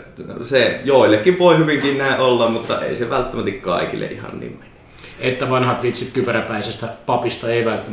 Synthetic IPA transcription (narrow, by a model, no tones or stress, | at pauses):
sejoˑilːekːiʋʋoˑihyʋiŋkinnæˑeʔʔolːɑmmut̪ːɑ̰ḛˑiseʋælt̪ːæmæt̪ikkɑˑikilːḛʔihɑ̰nnḭːmme̥nːy̥ | et̪ːæʋɑnhɑt̪ʋit̪sit̪kypræpæˑisest̪æpɑpist̪ɑeˑiʋælt̪ːæ